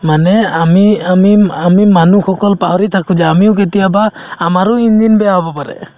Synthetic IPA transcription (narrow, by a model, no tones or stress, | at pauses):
manɛamiamiamimanuxɔkɔlpaɦɔɾit̪ʰakʰud͡ʒaamiuk̬et̪ijabaː | maɾuind͡ʒinbɛaɔbɔpaɾɛ̰